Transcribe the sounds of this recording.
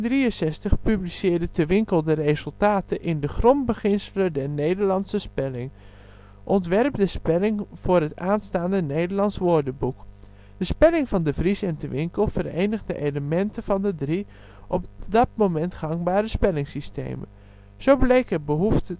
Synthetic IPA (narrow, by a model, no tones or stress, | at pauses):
ndriənsɛstəχpyblisɪːɹdətʰəʋɪŋkəlˠdərezəlˠtaːtʰəʔɪndəχrɔmbəχɪnsələdɛrneːjdəɹlɑntsəspɛlɪŋ | ʔɔntʋɛrp̚dəspɛlɪŋv̥ʊːrɦətaːnstaːndənejdəɹlɑntsʋoɹdəbuk | d̥əspɛlɪŋvɑndəvrisɛntʰəʋɪŋkəlˠfərejnəɣdəʔejləmɛntʰəv̥ɑndədri | ʔɔpdɑt̚momɛntχɑŋbaːɾəspɛlɪŋsistḛːmə̰n | z̥owblejkɦəbəɦuftə